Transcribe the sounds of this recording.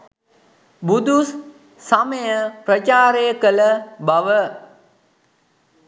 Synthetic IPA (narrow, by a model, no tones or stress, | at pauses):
bud̪us | saməjəprət͡ʃaːɾejəkələbaʋə